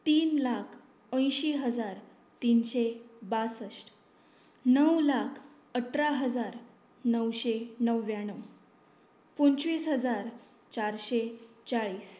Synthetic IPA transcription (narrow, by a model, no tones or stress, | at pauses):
t̪iːnlakʰ | ə̃j̃ɕiɦəd͡zaɾ | t̪inɕebasəsʈ | nəwlakʰ | əʈʰɾaɦəd͡zaɾ | nəwɕenəʋːjãnəw | poɲt͡ɕʋiːsɦəd͡zaɾ | t͡ɕaɾɕet͡saɭiːs